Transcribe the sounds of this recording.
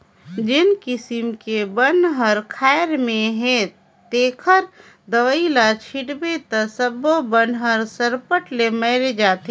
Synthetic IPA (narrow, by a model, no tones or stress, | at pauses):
d͡ʒɪnkɪsɪmkebənɦəɾkʰaːɪɾmẽɦẽ | t̪eːkʰəɾ | d̪əʋəilat͡ʃʰiʈbet̪əsəbobənɦəɾsəɾpəʈleməɪɾed͡ʒaːt̪e